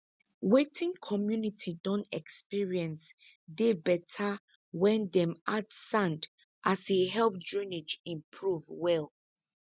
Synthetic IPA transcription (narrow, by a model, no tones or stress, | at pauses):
wetʰĩŋkʰɔmjunitʰidɔ̃ntɛkspiɹiɛ̃ns | debɛtʰa | wɛ̃ndɛ̃madsãnd | ʔaseɦɛlp̚dɹĩned͡ʒĩmpʰɹuvwɛl